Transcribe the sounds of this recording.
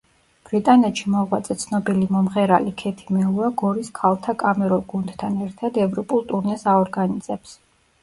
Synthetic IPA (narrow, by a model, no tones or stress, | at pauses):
b̥ɾit̪ʼanɛt̪ʃimɔʁwat̪sʼɛt̪sʰnɔbilimɔmʁɛɾalikʰɛt̪ʰimɛuaɡɔɾiskʰalˠt̪ʰakʼamɛɾɔɡund̪t̪ʰanɛɾt̪ʰad̪ɛvɾɔpʼulˠt̪ʼuɾnɛsaɔɾɡanizɛps